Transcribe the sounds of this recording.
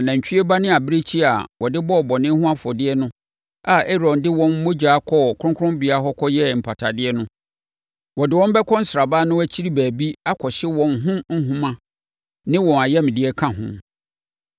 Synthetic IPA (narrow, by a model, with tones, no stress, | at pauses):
nã˨ɲ̩˨t͡ɕᶣi˦ɛ˦ba˦nɪ̃˦a˨bɾe˦t͡ɕʰi˦a˨wʔɔ˨dɪ˦bɔ˦ɔ˨bɔ˨nɪ̃˦ɦʊ̃˦a˦fɔ˨dɪ˦ɛ˦nʊ̃˦ | a˨e˦ɾɔ̃˨ndɪ˦wɔ̃˨n̩˦mõ˦d͡ʑaː˨˦kʰɔ˦˨kʰʊ˦ʊ̃˦kʰʊ˦ʊ̃˦mbɪ˨a˦ɦɔ˦kʰɔ˦jɛ˦m̩˨pʰa˨tʰa˨dɪ˦ɛ˦nʊ̃˦ | wɔ˨dɪ˨wɔ̃˦m˦bɛ˦kʰɔ̃˦n̩˦sɾa˨baː˦nʊ̃˦æ˦t͡ɕʰi˦ɾi˦bæː˨bi˦a˦kʰɔ˨ɕɪ˦wɔ̃˨nɦʊ̃˦n̩˦ɦʊ̃˦mã˦ | nɪ̃˦wɔ̃˨n˨a˨jɛ˦mɪ̃˨dɪ˦ɛ˦kʰã˦ɦʊ̰̃˦m